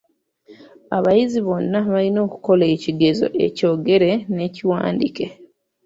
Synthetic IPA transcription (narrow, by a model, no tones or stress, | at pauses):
aβajiziβo̞nːaβalino̞ːku̥ko̞le̞ːciɡe̞zo̞̰ʔe̞̰co̞ːɡe̞ɾe̞ne̞ːciwa̰ːndike̞